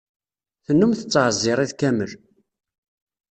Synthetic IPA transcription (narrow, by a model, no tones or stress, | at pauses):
θənːumθət͡sːʕzːɪɾˤiðkæməl